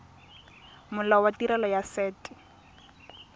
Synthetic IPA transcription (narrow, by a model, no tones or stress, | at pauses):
mʊlawatiɾɛlɔjasɛːtʼɪ